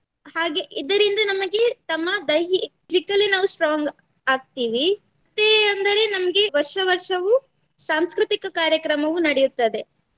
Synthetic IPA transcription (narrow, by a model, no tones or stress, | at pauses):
haːɡe̞ʔid̪ɐɾind̪ɐnɐmɐɡe̞t̪ɐmːɐd̪ɐjɦi | zikːɐlːinaːʋusʈɾaːŋɡ | aːɡ̚t̪iːʋi | ɐt̪ːeːɐnd̪ɐɾe̞nɐmɐɡe̞ʋɐɾʂɐʋɐɾʂɐʋu | saːmskɾɪt̪ikɐkaːɾjɐkɾɐmɐʋunɐɽejut̪ːɐd̪e̞